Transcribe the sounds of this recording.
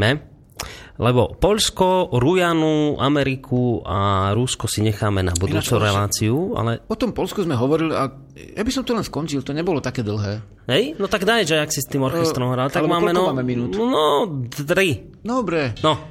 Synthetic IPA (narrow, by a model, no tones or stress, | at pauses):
mɛ | lɛbɔpɔʎskɔɾujanuamɛɾikʰua̰ɾuskɔsiɲɛxaːmɛna̰bud̪uːt͡suɾɛlaːt͡siua̰lɛɔt̪ɔmpɔlskuzmɛɦɔʋɔɾilia̰ | ja̰bisɔmt̪ɔlɛnskɔɲt͡ʃilt̪ɔɲɛbɔlɔt̪akɛːd̪l̩ˠɦɛː | ɦɛjnɔt̪aɡd̪ajʒajaksist̪iːmɔɾxɛst̪ɾɔmɦɾalɛt̪alɡmaːmɛnɔmaːmɛminuːt̪nɔd̪ɾi | d̪ɔbɾɛnɔ